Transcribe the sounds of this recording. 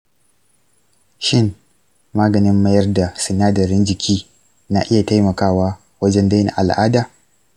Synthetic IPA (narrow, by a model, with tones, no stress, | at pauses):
ʃɪ˦n | maː˦ɡɐ˨nɪ˦mːɐ˦jɐ˦rda˨sʊ˨naː˦dɐ˨ɾɪ˦nd͡ʒɪ˨kʲʰiː˦ | na˨ʔɪ˦ja˨ta˦jmɐ˨kaː˦waː˦ | wɐ˦d͡ʒɛ˦nda˦na̰˨ʔa˨lʔaː˦daː˨